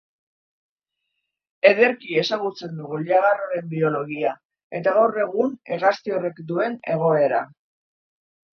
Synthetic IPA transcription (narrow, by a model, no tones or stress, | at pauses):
e̞ðe̞ɾkie̞saɣut͡se̞nd̪uɣuʎaɣ̞aroɾe̞mbio̞lo̞ɣia | e̞t̪aɣawre̞ɣ̞uneɣast̪io̞re̞kd̪ue̞ne̞̰ɣ̞o̞e̞ɾa̰